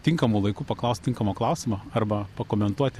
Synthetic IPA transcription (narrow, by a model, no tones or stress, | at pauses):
t̪ʲɪŋkɐmuːlˠɐɪkuːpɐklˠɐʊst̪ʲɪŋkɐmoːklˠɐʊsʲɪmɐɐrbɐpɐkoːmʲɛnt̪uɔt̪ʲɪ